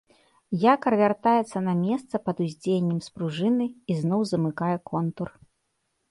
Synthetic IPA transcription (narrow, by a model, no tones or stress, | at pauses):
jakɐɾvʲart̪ajɛt̪sːɐnɐmʲɛst̪sɐpɐd̪uzʲd͡zʲejenʲːɛmspɾuʐɨnɨiznɔwzɐmɨkajɛkɔnt̪ur